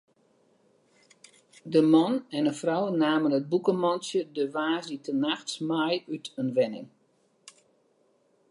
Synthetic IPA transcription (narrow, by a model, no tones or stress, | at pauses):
dəmɔnɛnəfrɔwnaːmənət̚bukəmɔnsjədəʋaːzitənaxtsmajytʰənʋɛnɪ̰ŋ